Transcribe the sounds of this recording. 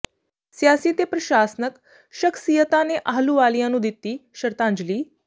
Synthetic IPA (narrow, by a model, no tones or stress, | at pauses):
sjaːsit̪epɾəʃaːsnək | ʃəkʰsijət̪aneʔaɦluʋaːljãnũːd̪it̪iːʃəɾt̪ãːɲd͡ʒliː